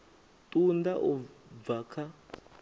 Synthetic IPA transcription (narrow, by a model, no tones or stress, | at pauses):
tʼundaʔɔvakʰa